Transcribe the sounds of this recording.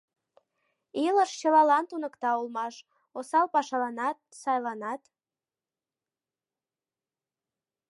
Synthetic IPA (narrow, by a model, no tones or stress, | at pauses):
iləʃt͡ɕəlɑlɑnt̪unəkt̪ɑulmɑʃ | osɑlpɑʃɑlɑnɑt̪̚sɑjlɑnɑt̪